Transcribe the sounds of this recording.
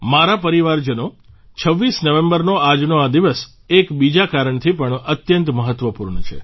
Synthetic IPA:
maɾapəɾiʋaɾd͡ʒəno | t͡ʃʰəʋːisnəʋẽmbəɾnoad͡ʒnoad̪iʋəs | ekbid͡ʒakaɾəɳt̪ʰipəɳət̪jənt̪məɦət̪ʋəpuɾɳət͡ʃʰḛ

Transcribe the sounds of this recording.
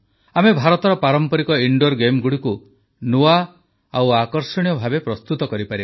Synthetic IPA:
amebʱaɾɔt̪ɔɾɔpaɾɔmpɔɾikɔiɳɖoɾɡemɡuɽiku | nua | awakɔɾsɔɽ̃ijɔbʱabepɾɔst̪ut̪ɔkɔɾipaɾib

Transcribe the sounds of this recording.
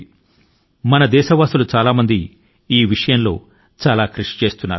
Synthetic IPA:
mɐnɐd̪ɛːʃɐʋaːsulut͡ʃaːlaːmɐnd̪i | iːʋiʂɐjɐnlo̞̰ː | t͡ʃaːlaːkɾuʂi̥t͡ʃe̞ːst̪unːa̰ːɾ

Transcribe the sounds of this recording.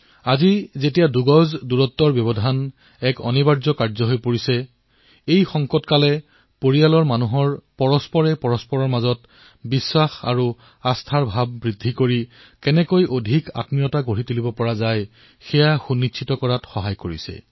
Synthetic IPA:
azizetijaduɡɔzduɹɔtːɔɹbjɔβɔdʱan | ɛkɔ̰nibaɹzɔkaɹzɔɦojpoɹisɛ | ejxɔŋkɔtkalɛ | poɹijalɔɹmanuɦɔɹpɔɹɔspɔɹɛpɔɹɔspɔɹɔɹmazɔt | bisːaxa̰ɹu | astʰaɹbʱabːɹidʱikoɹi | kɛnɛkojʔodʱika̰tmijɔtaɡoɹitulibɔpɔɹazaj | xɛjaxunːitt͡ʃʰitɔkɔɹatxɔɦajkoɹḭsɛ̰

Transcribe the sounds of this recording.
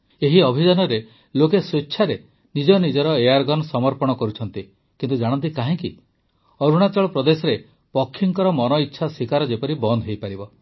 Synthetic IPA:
eɦiɔbʱid͡ʒanɔɾe | lokesetːʃʰaɾe | nid͡ʒɔnid͡ʒɔɾɔejaɾɡɔnsɔmɔɾpɔɽ̃ɔkɔɾut͡ʃʰɔnt̪i | kint̪ud͡ʒaɽ̃ɔnt̪ikaɦĩki | ɔɾuɽ̃at͡ʃɔɭɔpɾɔd̪esɔɾe | pɔkʰːiŋkɔɾɔmɔnɔitːʃʰasikaɾɔd͡ʒepɔɾibɔnd̪ʱɦejpaɾibɔ

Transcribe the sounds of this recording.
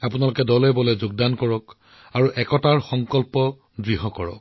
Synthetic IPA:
apunalʊkɛdɔlɛbɔlɛzʊɡ̚dankɔɹɔk | aɹuʔɛkɔtaɹxɔŋkɔlpɔ | dɹiɦɔkɔɹɔ̰k̚

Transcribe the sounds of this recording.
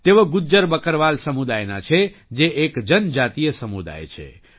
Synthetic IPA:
t̪ebəɡud͡ʒəɾbəkəɾʋalsəmud̪ajnat͡ʃʰɛd͡ʒeʔekd͡ʒənd͡ʒat̪ijəsəmud̪a̰jt͡ʃʰɛ̰

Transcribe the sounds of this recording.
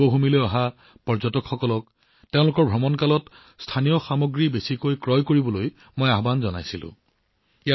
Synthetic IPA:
ɔɦumilojaɦa | pɔɹzɔtɔkxɔkɔlɔk̚ | teʊ̃lʊkɔɹbʱɔmɔnkalɔt | stʰanijɔxamoɡɹibesikojkɹɔjkoɹibɔloj | mojaɦbanzɔna̰jsilʊ̰̃ | ia

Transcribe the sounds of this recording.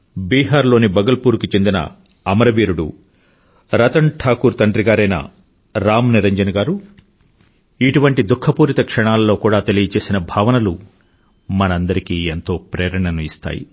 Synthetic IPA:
biːɦaːɾlo̞ːnibɐɡɐlpuːɾkut͡ʃe̞nd̪inɐ̰ | ɐmɐɾɐʋiːɾuɽṵ | ɾɐt̪ɐɳʈʰaːkuːɾt̪ɐɳɖɾiɡaːɾɐjnɐ̰ | ɾaːmniɾɐɲd͡ʒɐnɐɡaːɾu | iʈuʋɐɳʈid̪ukʰːɐpuːɾit̪ɐkʂɐɳaːlɐlːo̞ːkuːɽaːt̪elijɐt͡ʃe̞ːsinɐbʱaːʋɐnɐlu | mɐnɐɐnd̪ɐɾikiːent̪o̞ːpɾɛːɾɐɳɐnuist̪a̰ːjḭ

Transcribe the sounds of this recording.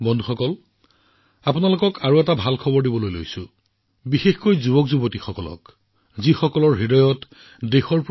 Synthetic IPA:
bɔndʱuxɔkɔl | apʊnalokɔkaɹoɛtabʱalkʰɔbɔɹdibɔlojlo̰jsʊ | bixexkojzubɔkzubotixɔkɔlɔ̰k | zixɔkɔlɔɹɦidɔjɔt | dexɔɹp

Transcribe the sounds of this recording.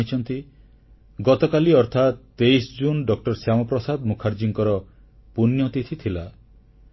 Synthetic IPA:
it͡ʃʰɔnt̪i | ɡɔt̪ɔkaliɔɾt̪ʰat̪ːeisd͡ʒunɖɔk̚ʈɔɾsjamɔpɾɔsad̪mukʰaɾd͡ʒiŋkɔɾɔ | punjɔt̪it̪ʰit̪ʰila

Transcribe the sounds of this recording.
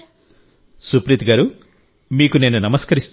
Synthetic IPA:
supɾit̪ɡaːɾu | miːkune̞ːnunɐmɐskɐɾist̪

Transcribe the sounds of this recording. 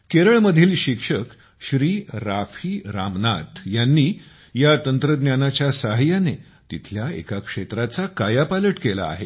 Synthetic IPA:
keɾəɭməd̪ʱiːlɕikʂək | ɕɾiːɾafiːɾamnat̪janːiː | jat̪ənt̪ɾəd̪njanat͡ɕjasaɦjane | t̪it̪ʰljaḛkakʂet̪ɾat͡sakajapaləʈkela̰ːɦe

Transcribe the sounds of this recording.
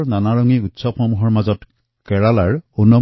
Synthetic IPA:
ɹnanaɹɔŋiutsɔpxɔmuɦɔɹmazɔt | kɛɹalaɹunːɔ

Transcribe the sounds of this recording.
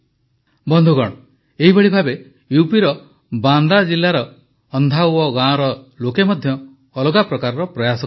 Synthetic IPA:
bɔnd̪ʱuɡɔɽ̃ɔ | eɦibeɭibʱabe | jupiɾɔ | band̪ad͡ʒilːaɾɔː | nd̪ʱawɔɡãɔɾɔ | lokemɔd̪ʱjɔː | lɔɡapɾɔkaɾɔɾɔpɾɔjasɔ

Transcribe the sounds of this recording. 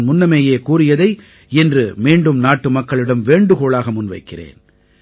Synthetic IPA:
nmʊnːɐmeːjeːkuːrɪjɐðɐɪ | ɛndrɯmeːɳɖɯmnaːʈːɯmɐkːɐɭɪɽɐmʋeːɳɖɯɣoːɭaːɣɐmʊnʋɐɪkːɪrḛːn

